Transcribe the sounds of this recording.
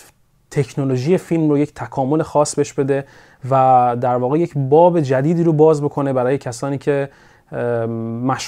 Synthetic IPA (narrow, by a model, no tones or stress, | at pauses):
t̪ʰe̞cʰnoloʒiːjefilmroje̞ct̪ʰækʰɒːmo̞le̞xɒːsbeʃbe̞d̪e̞ | væd̪æɾvɒːɣe̞je̞cbɒːbe̞d͡ʒæd̪iːd̪iːɾobɒːzbo̞kʰo̞ne̞bæɾɒːje̞cʰæsɒːniːcʰe̞ | mæʃ